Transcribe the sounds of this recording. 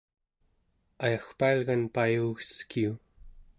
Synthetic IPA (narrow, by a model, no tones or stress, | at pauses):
ajaxpaːlɣanpajuɣə̥skiu